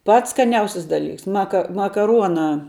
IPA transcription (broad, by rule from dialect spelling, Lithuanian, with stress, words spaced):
ˈpɐts skɐˈnʲɛʊsʲɪs dɐˈlʲiːks ˈmɑːkɐ mɐkɐˈruɔnɑː